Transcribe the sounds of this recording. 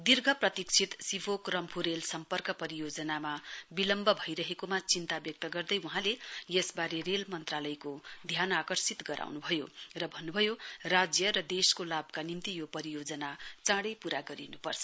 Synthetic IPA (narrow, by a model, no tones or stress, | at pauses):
d̪irɡʱʌprʌt̪ikt͡sʰit̪sibokrʌmpʰuɾelsʌmpʌrkʌpʌɾijod͡zʌnamabilʌmbʱʌbʱʌjɾʌɦekomat͡sint̪abjʌk̚t̪ʌɡʌrd̪ʌjuɦãlejesbaɾerelmʌnt̪ralʌjkod̪ʱjanakʌrsit̪ɡʌɾʔa̰wnubʱʌjo̰rʌbʱʌnːubʱʌjorad͡zjʌɾʌd̪eskolabkanimt̪ijopʌɾijod͡zʌnat͡sãɽʌpuɾaɡʌɾinupʌrt͡sʰʌ̥